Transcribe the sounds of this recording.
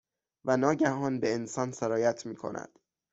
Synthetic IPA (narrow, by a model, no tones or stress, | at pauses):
vænɒːɟæɦɒːnbeensɒːnseɾɒːjæt̪ʰmiːkʰo̰nʔæ̰d̪̥